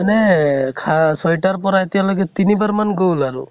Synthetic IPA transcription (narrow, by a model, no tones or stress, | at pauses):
anɛkʰasɔjʈaɹpɔɾaet̪ijalɔjɡɛt̪inibaɹmanɡowlaɹṵ